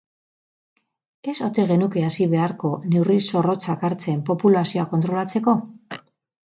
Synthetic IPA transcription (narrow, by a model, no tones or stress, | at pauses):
e̞so̞t̪e̞ɣe̞nuke̞asiβ̞e̞aɾko̞ne̞wriso̞ro̞t͡sakaɾt͡se̞mpo̞pulasio̞ako̞nt̪ɾo̞lat͡se̞ko̞